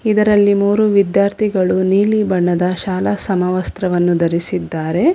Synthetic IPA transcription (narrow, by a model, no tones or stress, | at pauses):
id̪ɐɾɐlːimuːɾuʋid̪jaːɾt̪ʰiɡɐɭuniːlibɐɳːɐd̪ɐʃaːlɐsɐmɐʋɐst̪ɾɐʋɐnːud̪ɐɾisid̪ːaːɾe̞